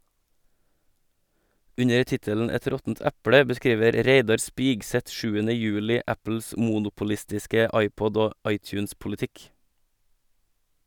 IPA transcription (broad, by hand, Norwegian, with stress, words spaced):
ˈʉɲə ˈtɪtəln̩ ˈɛt ˈɾɔtn̩t ˈɛpɽə bəˈskɾiːʋəɾ ˈɾeɪdɑɾ ˈspɪɡˌsɛt ˈʃʉːənə ˈjʉːlɪ ˈʔæpl̩s ə ˈmuːnʊpʊlɪstɪskə ˈɑɪˌpɔd ˈoː ˈɑɪˌtjʉːnspʊlɪˌtɪk